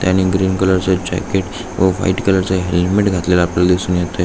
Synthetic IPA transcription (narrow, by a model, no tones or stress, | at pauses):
t̪jañiɡɾiːnkələɾt͡səd͡ʑæ̰keʈ | ʋəfa̰iʈkələɾt͡səɦelmeʈɡʱat̪lelaːpljalad̪isuːnjet̪ə